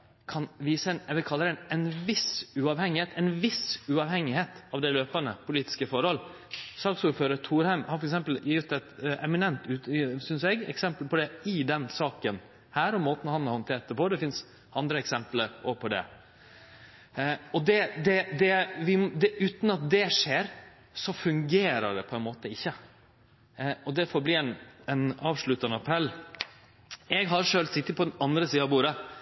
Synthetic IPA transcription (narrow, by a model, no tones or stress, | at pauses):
kʰɑnʋiːsəɛnɛʋɪkʰɑlːəɾɛnɛnʋɪsʉɑʋhɛŋːɪheːt̪ʰɛɪnʋɪsʉɑʋhɛŋːɪheːt̪ɑʋd̪ɛløːpənəpʰʊliːt̪ɪ̥skəfɔɾhɔl | sɑlksuːɾføːɾət̪ʰuːɾhæɪmhɑɾfɔɾɛksɛmpəljɪt̪ːɛt̪ɛmɪnɛnt̪ʉːt̪sʏnsɛɡɛ̰ksɛmpəlpʰɔd̪ɛɪd̪ɛnsɑːkən | hæːɾɔmːoːt̪n̩hɑnɑɾhɔnt̪ʰeːʈ̚d̪əpɔd̪ɛfɪns | ɑnd̪ɾəɛksɛmpləɾɔpʰɔd̪ɛ̰ | ɔd̪ɛd̪ɛd̪ɛʋɪd̪ɛʉːt̪n̩ɑt̪̚d̪ɛʂeːɾ | sɔfʉŋɡeːɾə̰ɖɛpʰɔɛnmoːt̪əɪçːə | ɔd̪ɛfɔɾbliːɛnɛnɑːʋʂɭʉt̪ːɑnəɑpʰɾɛlː | ɛɡɦɑɾʂøːlsɪt̪ːəpʰɔd̪ɛnɑnd̪ɾəsiːəɑʋbuːɾə